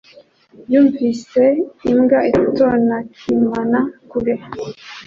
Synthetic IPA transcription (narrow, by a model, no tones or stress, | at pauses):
juːɱvise̞imɡaitonakʰimanakuɾe